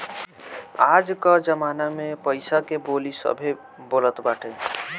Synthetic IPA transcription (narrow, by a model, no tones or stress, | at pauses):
ad͡ʒkəd͡ʒəmaːnamẽpəɪsakeboːlisə̰bʱe | boːlət̪baːʈʰe